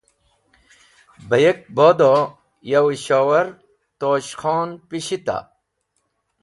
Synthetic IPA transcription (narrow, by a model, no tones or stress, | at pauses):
bɐjek̚boːd̪o | jɐwiɕoːwɐɾ | t̪oːɕxoːnpiɕit̪a̰